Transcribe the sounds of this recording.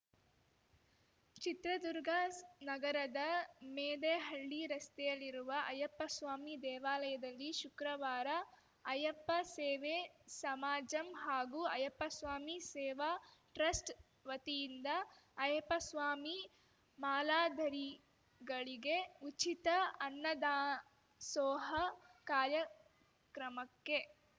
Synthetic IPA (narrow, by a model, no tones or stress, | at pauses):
t͡ʃit̪ɾɐd̪uɾɡʱɐnɐɡɐɾɐd̪ɐmeːd̪eɦɐɭːiɾɐst̪ɛjɐlːiɾuʋɐʔɐjɐpːɐsʋaːmid̪ɛːʋaːlɐjɐd̪ɐlːiʃukɾɐʋaːɾɐ | ɐjɐpːɐseːʋesɐmaːd͡ʒɐmɦaːɡuɐjɐpːɐsʋaːmisɛːʋɐʈɾɐsʈ | ʋɐt̪ijind̪ɐːjɐpɐsʋaːmi | maːlaːd̪ʱɐɾi | ɡɐɭiɡe̞ut͡ʃit̪ɐɐnːɐd̪aː | sɔːɦɐkaːɾjɐ | kɾɐmɐkːe